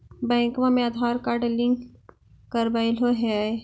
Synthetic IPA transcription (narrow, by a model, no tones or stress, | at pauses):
bɛ̃ːŋkʋãmẽaːd̪ʱaːɾkaːɾʈlɪ̃ŋɡ | kəɾbailoɦɛae